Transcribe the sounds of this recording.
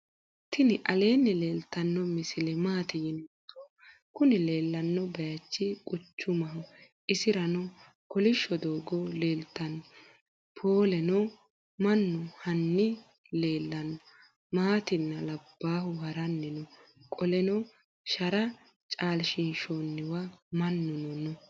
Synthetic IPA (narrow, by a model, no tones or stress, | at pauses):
t̪ʰɪnɪʔɐle̞ːnːɪle̞ːlt̪ːɐnːɔmɪsɪlɛmaːt̪ɪjɪnt̪ːɔ | kʊnɪle̞ːlːɐnːɔbɐjɐt͡ʃːɪkʼʊt͡ʃːʊmɐɦʊ | ʔɪsɪɾɐnɔ | kɔlɪʃːɔd̪oːɡɔle̞ːlt̪ːɐn | pʰoːlɛnɔ | mɐnːʊhɐnːɪ | le̞ːlːɐnɔ | maːt̪ɪnːɐlɐbːaːhʊhɐɾɐnːɪnɔkʼɔlɛnɔ | ʃɐɾɐ | t͡ʃʼaːlʃɪnʃonːɪwɐmɐnːʊnɔnɔ